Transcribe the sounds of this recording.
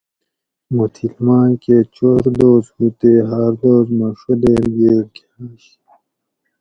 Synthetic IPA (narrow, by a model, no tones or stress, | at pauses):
mut̪ʰilmãːkeːt͡ɕoɾd̪oːzhut̪eːɦaːɾd̪oːzmɐʂud̪eːɾɡeːɾɡ | aːɕ